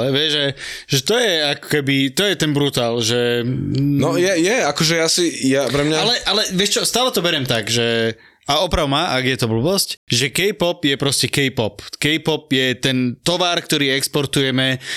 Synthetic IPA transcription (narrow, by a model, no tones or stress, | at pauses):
ɛʋɪɛʒʒɛʒɛt̪ɔjɛakɔ̥kɛbit̪ɔjɛt̪ɛnbɾut̪aːlʒɛ | nɔjɛjɛakɔʒɛjasijapɾɛmɲaalɛʔalɛʋɪɛʃt͡ʃɔst̪aːlɛt̪ɔbɛɾɛmt̪aɡʒɛ | aɔpɾaʊmaʔaɡjɛt̪ɔbl̩bɔscʒɛkɛjpɔpjɛpɾɔscɛkɛjpɔpkɛjpɔp̚jɛt̪ɛnt̪ɔʋaːɾk̚t̪ɔɾiːɛkspɔɾt̪ujɛmɛ